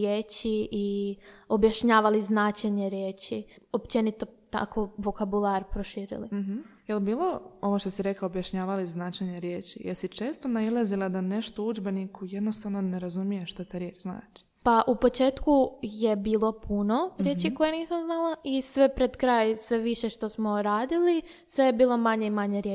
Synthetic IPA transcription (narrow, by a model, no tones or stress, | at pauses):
jeːt͡ɕiʔio̞bjaʃɲaːʋaliznaːt͡ʃeɲeɾjeːt͡ɕiopt͡ʃe̞nit̪ot̪a̰koʋo̞kabulˠaɾpɾoʃiːɾḭliɦ̩jelbiːlˠo̞o̞ʋoʃt̪osiɾekaobjaʃɲaːʋaliznaːt͡ʃeɲeɾjeːt͡ʃijeɾsit͡ʃe̞ːst̪onailˠazilˠad̪ane̞ʃt̪oud͡ʒbe̞nikʰujed̪no̞st̪aʋno̞neɾazumijeʃt̪at̪aːɾjet͡ʃzna̰ːt͡ʃi̥ | paʔupo̞t͡ʃe̞ːt̪kuje̞biːlˠo̞pʰuno̞ɾje̞ːt͡ʃiko̞jeniːsamznalˠaʔisʋe̞pɾed̪kɾaːjsʋe̞ʋiʃe̞ʃt̪o̞smo̞ɾaːd̪ili | sʋe̞jebiːlˠo̞maɲeimaɲeɾje